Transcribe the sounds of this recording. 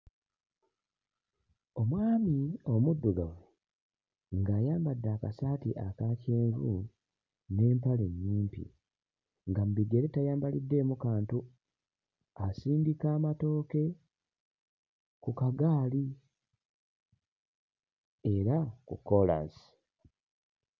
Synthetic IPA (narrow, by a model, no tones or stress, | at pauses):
o̞mwaːmio̞mudːuɡawe | ŋɡaːjaːmbadːaːka̰saːtiʔakaceːvṵ | ne̞ːmpaleɲːiːmpḭ | ŋɡam̩biɡe̞ɾetajaːmbalidːe̞ːmukaːntu | asiːndikaːmato̞ːke̞ | kukaɡaːli | e̞ɾakṵkːo̞la̰si̥